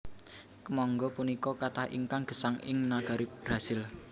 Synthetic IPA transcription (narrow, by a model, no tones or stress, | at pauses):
kəmɔŋɡɔpunikɔkat̪ahʔḭŋkaŋɡ̥ə̤saŋɪ̰ŋnaɡ̥a̤ɾib̥ɾa̤sɪl